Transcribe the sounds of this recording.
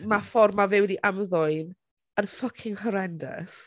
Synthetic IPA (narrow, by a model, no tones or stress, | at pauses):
mafɔrmavɛwɛdiʔamðʊɨn | ənfəkʰɪŋhɔɾɛndə̰s